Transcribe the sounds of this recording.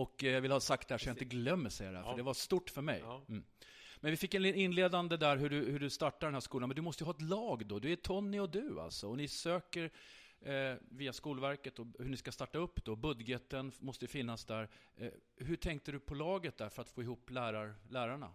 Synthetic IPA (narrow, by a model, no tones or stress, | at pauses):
ɔkjavɪlhɑːsak̚t̪d̪ɛhæːʂɔjaɪnt̪əɡlœmːəsɛja̰ɾdɛɦæ̰fəɖɛvast̪uːʈːfœɾmɛ̰j | mɛnvɪfɪkːɛnɪnɪnleːd̪and̪əd̪æɾɦɵɖɵhɵɖɵst̪aʈːadɛnhæʂkuːlanmɛnd̪ɵmɔst̪əjɦɑːɛt̪lɑːɡd̪ɔd̪ɵæt̪ʰɔnːɪɔd̪ɵa̰lt̪sɔɔnɪsøːkəɾ | viːaskuːlvæɾkət̪ɔhɵɳɪskast̪ɑʈːaɵpːd̪ɔbɵd̪jət̪ənmɔst̪əjɵfɪnːasd̪æɾ | ɦɵʈʰɛŋk̚t̪ədɵpʰɔlɑːɡət̪̚d̪æɾfœɾat̪foːɪɦuːpːlæːɾaɾlæːɾaɳa̰